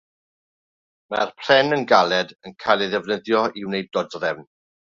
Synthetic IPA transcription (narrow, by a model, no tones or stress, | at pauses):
ma̰rpʰr̥ɛnənɡalˠɛdənkʰajlˠɛðɛvnəðjɔɪwnejdɔdrɛvn